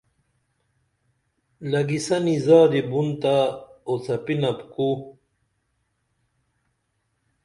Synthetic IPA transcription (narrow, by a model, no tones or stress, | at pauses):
lɐɡisɐnizaːd̪ibunt̪aot͡sɐpinɐpku